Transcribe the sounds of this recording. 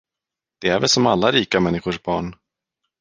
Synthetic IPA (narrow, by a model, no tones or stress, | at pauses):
d̪̥ɛæɾvɛlsɔmalːaɾiːkamɛnːɪɧʊʂbɑːɳ